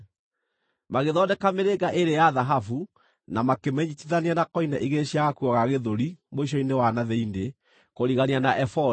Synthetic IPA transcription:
maɣeðɔdɛkameɾeɡaʔeɾejaðaɦafu | namakemɛɲitiðaneanakɔinaʔiɣeɕjaɣakuɔɣaɣeðoɾimoiɕ̬ɔinewanaðɛinde | koɾiɣanianaʔɛfɔ

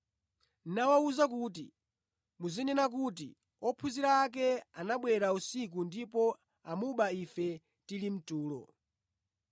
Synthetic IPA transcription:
nawauzakut̬ḭ | muzinɛnak̬ut̬ḭ | ɔpʰuziɾaːk̬ɛanaɓwɛɾausik̬undipɔ | amuɓaifɛ | tilim̩tuːlɔ̰

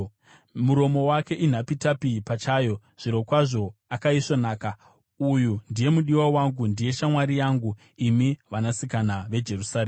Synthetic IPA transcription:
muɾo̞mo̞wake̞ʔin̤apitapipat͡ʃaːjo̞ | ʐ̥iɾo̞kwaʐo̞akaiʂonaːka | ujundije̞muɗiwawaŋɡundije̞ʃamwaɾijaːŋɡu | imiʋanasikanaʋe̞d͡ʒe̞rusareː

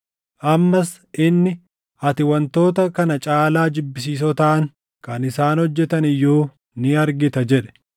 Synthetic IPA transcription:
ʔɐmːɐs | ʔɪnːɪ | ɐt̪ɪwɐnt̪o̞ːt̪ɐkɐnɐt͡ʃʼaːlaːd͡ʒɪbːɪs̬iːs̬ɔt̪ɐʔɐŋ | kɐnɪsaːnhɔd͡ʒːɛt̪ɐnɪjːoː | nɪɐɾɡɪt̪ɐd͡ʒɛᶑɛ̥

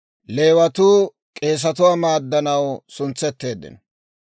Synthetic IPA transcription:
le̞ːwɐt̪uː | kʼe̞ːs̬ɐt̪ʊwamaːd̪ːɐnɐwsʊnt͡sːɛt̪ːe̞ːd̪ːɪ̰n

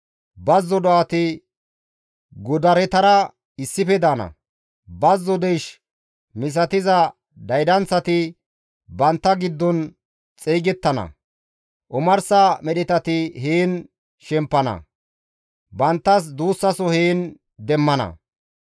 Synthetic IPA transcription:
bɐzːɔd̪ɔat̪ɪ | ɡʊd̪ɐɾɛt̪ɐɾɐ | ɪsːɪfɛd̪aːnɐ̰ | bɐzːɔd̪ɛjʃ | mɪs̬ɐt̪ɪzɐ | d̪ɐjd̪ɐnt͡sɐt̪ɪ | bɐnt̪ːɐɡɪd̪ːɔn | t͡sʼeːɡɛt̪ːɐnɐ̰ | ʔʊmɐɾsɐamɛɗɪt̪ɐt̪ɪheːn | ʃɛmpːɐnɐ̰ | bɐnt̪ːɐs̬d̪uːsːɐsɔheːn | d̪ɛmːɐnɐ̰

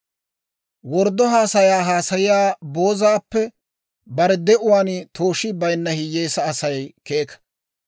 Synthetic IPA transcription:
wɔɾd̪ɔɦaːsɐjaːɦaːsɐjɪjaːbo̞ːzaːpːɛ | bɐɾɛd̪ɛʔʊwaːnt̪ʰo̞ːʃɪbɐjnːɐhɪjːeːsɐːsɐjkeːkɐ̥

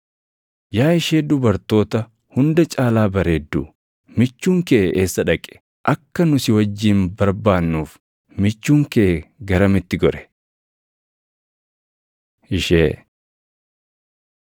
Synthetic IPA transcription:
jaːɪʃeːd̪ʊbɐɾt̪o̞ːt̪ɐ | hʊnd̪ɐt͡ʃʼaːlaːbɐɾeːd̪ːuː | mɪt͡ʃːuːŋkɛʔɛʔe̞ːsːɐᶑɐkʼːɛ̥ | ʔɐkːɐnʊsɪwɐd͡ʒːiːmbɐɾbaːnːuːf | mɪt͡ʃːuːŋkɛʔɛɡɐɾɐmɪt̪ːɪɡɔɾɛ̥ | ɪʃḛː

